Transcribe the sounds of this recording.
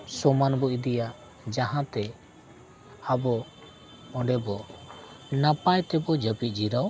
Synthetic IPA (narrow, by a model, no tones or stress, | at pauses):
sɔmanbɔid̪ijaʔ | d͡ʒaɦãt̪ɛ | abɔ | ɔ̃ɖɛbɔ | napajt̪ɛbɔd͡ʒəpit̪̚ˀd͡ʒiɾaw